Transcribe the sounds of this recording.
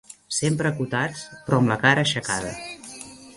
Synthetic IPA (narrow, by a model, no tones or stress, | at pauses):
sempɾəːkut̪at͡spɾɔmləkaɾəːʃəka̰ðə